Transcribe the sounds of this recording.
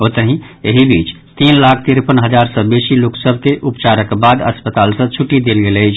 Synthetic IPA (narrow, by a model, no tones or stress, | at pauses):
ot̪əɦĩeɦibiːt͡ʃ | t̪inlakʰt̪iɾpənɦəd͡ʒaɾsə̃besiluksəbʱkeʔupt͡ʃaɾəkbad̪əspət̪alsə̃t͡ʃʰuʈːid̪elɡelət͡ʃʰ